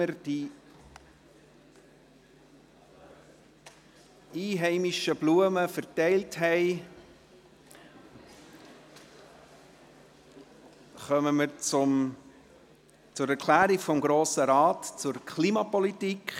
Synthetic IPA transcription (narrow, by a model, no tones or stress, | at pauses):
əɾd̥i | iːɦɛɪmiʃəbluəməfəɾtɛɪltɦɛɪ | χœməməɾt͡sʊm | t͡sʊɾɛɾkʰlæːɾiɡfɔmɡɾoːsəɾɑːtt͡sʊɾkʰliːmɑpɔlitikχ